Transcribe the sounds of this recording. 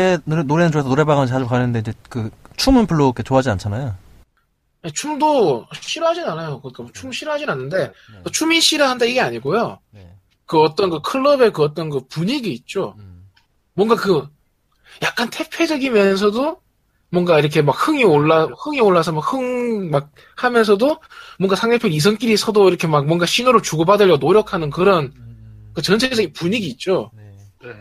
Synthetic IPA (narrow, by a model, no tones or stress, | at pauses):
enonoɾenɯnt͡ɕoes̬ʰʌnoɾe̞baɣanɯt͡ɕad͡ʑokanɯnde̞inɲd͡ʑe̞kɯt͡ɕʰumɯnpuɭːok͈ʰe̞t͡ɕoɦad͡ʑiant͡ɕʰanajo | net͡ɕʰumdoɕʰiɾoɦad͡ʑinanajokɯɲik͈amt͡ɕʰumɕʰiɾɯɦad͡ʑinanːɯnde̞ʌt͡ɕʰumiɕʰiɾɯɦandeiɡe̞aɲiɡojo | kɯʌt͈ʌnɡɯkʰɯɭːʌbe̞kɯʌt͈ʌnɡɯpuɲiɡiːt̚t͡ɕ͈o | mwʌŋɡakɯ | jak̚k͈antʰe̞pʰjed͡ʑʌɡimjʌns̬ʰʌdo | mwʌŋɡaiɾʌkʰe̞mak̚hɯŋioɭːahɯŋioɭːasʰʌmakhɯŋmak̚ | hamjʌnsʰʌdomwʌŋɡasʰaŋnepʰjoɾis̬ʰʌŋk͈iɾisʰʌdoiɾʌkʰe̞mak̚mwʌŋɡaɕʰinɯɾot͡ɕuɡʌbadɯʎːjʌɡonoɾjʌkʰanɯnkɯɾʌnkɯt͡ɕʌnt͡ɕʰed͡ʑʌɡipuɲiɡiːt̚t͡ɕ͈o